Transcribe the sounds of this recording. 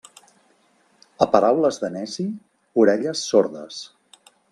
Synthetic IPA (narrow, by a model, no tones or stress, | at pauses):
əpəɾawləzðənɛzi | uɾɛʎəsːoɾðə̰s